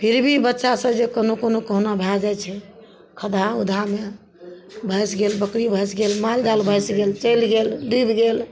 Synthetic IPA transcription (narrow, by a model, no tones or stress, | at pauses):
pʰiɾbʱibətːʃasə̃d͡ʒekənokonokəɦunabʱad͡ʒat͡ʃʰɛ | kʰəd̪aud̪ʱame | bʱəjsɡelbəkɾibʱəjsɡelmald̪albʱəjsɡelt͡ʃəjlɡelɖibɡel